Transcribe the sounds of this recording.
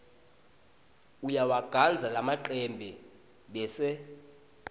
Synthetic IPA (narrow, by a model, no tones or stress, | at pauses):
ujawaɡ̥ʱand͡zʱalamaǃɛmbʱɛ | ɓɛsɛ